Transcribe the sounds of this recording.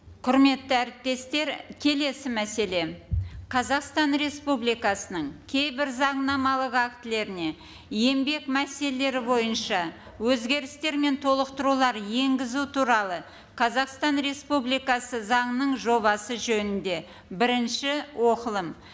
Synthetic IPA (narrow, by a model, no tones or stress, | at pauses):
qʰʊɾme̞t̪ːɪæɾɪp̚t̪e̞st̪e̞ɾkʲʰe̞le̞sɪmæse̞le̞qʰɑzɑqst̪ɑnɾe̞spublijkɑsənəɴkʲʰe̞jbɪɾzɑɴnɑmɑlˠəqɑk̚t̪ɪle̞ɾɪne̞ | je̞mbe̞kmæse̞lelːe̞ɾɪbo̞jənʃɑ | wɵzɡʲe̞ɾɪst̪e̞ɾme̞nt̪ʰo̞lˠəqt̪əɾulˠɑɾje̞ŋɡʲɪzut̪ʰuɾɑlˠə | qʰɑzɑqst̪ɑnɾe̞spublijkɑsəzɑɴnəɴʒo̞βɑsəʒɵnɪnd̪e̞ | bɪɾɪnʃɪwʔo̞qəlˠəm